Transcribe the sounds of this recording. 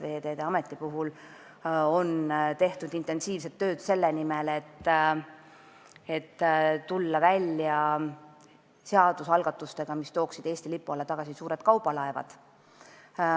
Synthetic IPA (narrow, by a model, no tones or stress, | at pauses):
ve̞ːd̪e̞ːd̪̥eɑme̞t̪ːˑipuɦul | o̞nt̪e̞ht̪ud̪int̪ːˑe̞nsiːvset̪ːø̞ːd̪̥se̞lːenimelet̪ː | e̞t̪ːtːulːɑvælʲjɑ | seɑd̪̥usɑlɡ̥ɑt̪ːˑust̪e̞ɡ̥ɑmist̪o̞ːksid̥̪e̞ːsʲt̪ilipːˑuɑlːɑt̪ɑɡ̥ɑsisuːɾe̞d̪̚kɑwbɑlɑevɑ̰d̪̥